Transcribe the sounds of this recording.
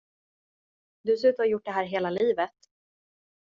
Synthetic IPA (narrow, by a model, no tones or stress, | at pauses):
d̪ɵsʉ̟ːt̪ɔjʊʈ̚ːɖɛɦæːɾɦeːlaliːvət̪